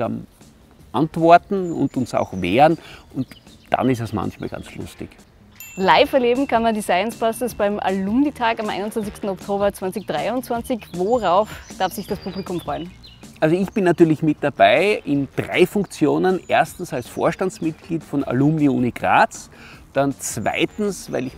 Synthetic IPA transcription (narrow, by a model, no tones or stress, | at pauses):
am | ʔãntv̥ɔɐtn̩ʊ̰ntʊnsa̰ʊxveːʁənʔʊnt | d̥a̰nɪs̬tɛsmã̰nçma̰ːlɡ̥ã̰nt͡slʊ̰stɪ̰ç | laɪfɛɐleːbm̩kʰanmandisaɪənsb̥asɪsb̥aɪmʔa̰lumditʰaːkamʔa̰ɪnʊntt͡sv̥ant͡sɪkstn̩ɔktʰoːbɐt͡sv̥ant͡sɪçd̥ʁaɪʊnt͡sv̥ant͡sɪçvoʁaʊfd̥aɐfsɪçd̥aspʰublɪkʊmfʁ̥ɔʏn | ʔalzoɪçb̥ɪnːatyːɐlɪçmɪt̚d̥abaɪʔɪnd̥ʁa̰ɪfʊŋkt͡sjoːnənʔeːɐstn̩salsfo̰ːɐʃtant͡smɪt̚ɡ̥liːtfɔna̰lumniuːniɡ̥ʁa̰ːt͡sd̥ant͡sv̥a̰ɪtn̩svaɪlɪç